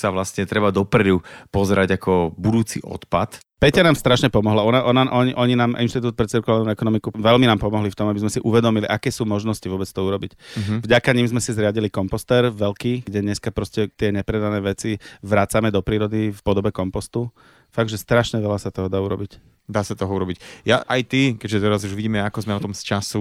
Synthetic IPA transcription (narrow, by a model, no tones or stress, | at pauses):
saʋlast̪ɲɛt̪ɾɛbad̪ɔpɾɛd̪upɔzɛɾaɟakʰɔbud̪uːt͡sḭʔɔ̰t̪pat̪ | pɛcanaːmst̪ɾaʃɲɛpɔmɔɦlaɔnaʔɔnaʔɔɲiʔɔɲinaːmʔḭnʃt̪it̪uːt̪̚pɾɛt͡siɾkɔlalnuɛkɔnɔmikuʋɛlminaːmpɔmɔɦlift̪ɔmabizmɛsiʔuʋɛd̪ɔmiliʔakɛːsuːmɔʒnɔsciʋʊɔbɛt͡st̪ɔuɾɔbicvɟakaɲiːmzmɛsizɾɪaɟilikɔmpɔst̪ɛɾʋɛlkiːɡɟɛɲɛskapɾɔscɛt̪ɪɛɲɛpɾɛd̪anɛːʋɛt͡siʋɾat͡samɛd̪ɔpɾiːɾɔd̪ifpɔd̪ɔbɛkɔmpɔst̪u | faɡʒɛst̪ɾaʃɲɛʋɛlasat̪ɔɦɔd̪aːuɾɔbic | d̪aːsat̪ɔɦɔuɾɔbicja̰ʔajt̪ikɛʒɛt̪ɛɾazuʒʋiɟiːmɛakɔzmɛɔt̪ɔmst͡ʃasu